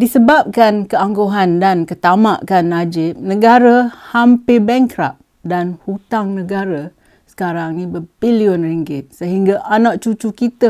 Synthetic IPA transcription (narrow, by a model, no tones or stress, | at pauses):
disəbap̚kankəaŋɡoɦandankət̪amaʔkanːad͡ʒɪp̚nə̃ɡaɾahampɪbɛŋkɾa̰p̚ | danhut̪aŋnəɡaɾa | sə̥kaɾaŋnĩbəbiliʊnriŋɡɪt̪̚səɦiŋɡaʔanaʔ̚t͡ʃut͡ʃukit̪ə